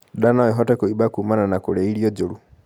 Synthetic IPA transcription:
danaiɦɔtɛkoibakumananakolɛiɾiɔd͡ʒoɾu

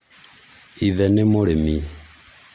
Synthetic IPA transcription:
ivɛnemolemi

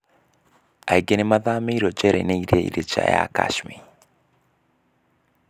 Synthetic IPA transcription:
aiɡenemaðaːmeiɾot͡ʃɛɾḛneiɾeḭɾet͡ʃaja̰ka̰ʃmi

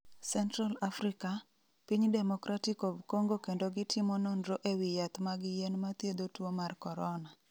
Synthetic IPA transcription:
sɛntɾalafɾika | piɲdɛmɔkɾʔatikovkoŋɡokendoɡɪtʰɪmɔnɔndɾoʔewijat̪maɡɪjenmat̪jed̪otwomarkɔɾɔna

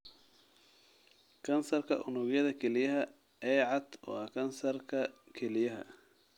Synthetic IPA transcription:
kʰɐnsɐrkʰɐ̰ʔʊnʊɣjɐðɐkʰɛlɪjɐɦɐ | ɛːʕɑd̪wɑ̰ːkʰɐnsɐrkʰɐkʰɛlɪjɐɦɐ̰

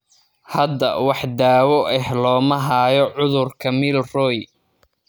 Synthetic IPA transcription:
hɐd̪ɐ̰wɑħd̪aːwɔʔɛɦlɔːmɐɦaːjɔʕʊðʊrkʰɐmɪlrɔj

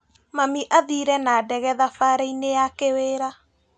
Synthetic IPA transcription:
mamiʔaðiɾɛnaːdɛɣɛðafaɾainejakeweɾa

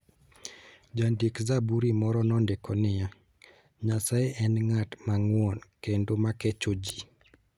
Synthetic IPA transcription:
d͡ʒandikzabuɾimɔɾɔnɔndekɔnɪja | ɲasajeʔɛnŋatmaŋwɔnkendomaket͡ʃod͡ʒi

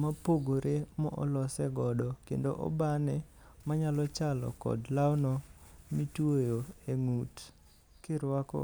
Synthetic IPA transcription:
mapoɡoɾʔemɔ̰ʔɔ̰lɔsɛɡɔdɔkḛndoʔɔ̰banɛmaɲalɔt͡ʃalɔ̰kɔ̰dlawnɔmitwojoeŋut | kɪɾwakɔ̰

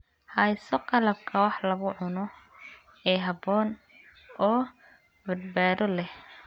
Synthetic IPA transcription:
hɑjsɔqɑlɐb̚kʰɐwɑħlɐɣʊʕʊnɔ | ɛːɦɑbɔːn | ɔː | bɐd̪̚baːðɔlɛh

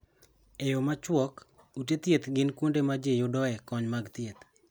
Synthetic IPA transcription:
ejomat͡ʃwɔk | utet̪jet̪ɡɪnkwondemad͡ʒejodɔɛkɔɲmaɡt̪ɪjet̪

